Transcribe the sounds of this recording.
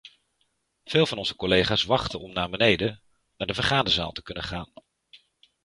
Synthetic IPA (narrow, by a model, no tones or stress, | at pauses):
v̥ɪːlˠvɑnɔnzəkɔlejχaːsʋɑχtənɔmnaːɹbənejdə | naːɹdəvəɹχaːndəza̰ːlˠtə̥kɵnəχaːn